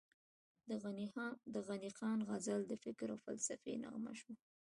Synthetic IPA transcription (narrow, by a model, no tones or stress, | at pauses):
d̪əɣanixɑnɣazald̪əfɪkɾawfa̰lsafena̰ɣma̰ʃu